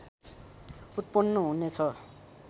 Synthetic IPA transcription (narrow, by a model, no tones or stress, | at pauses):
ut̪̚pʌnːʌɦunet͡sʰʌ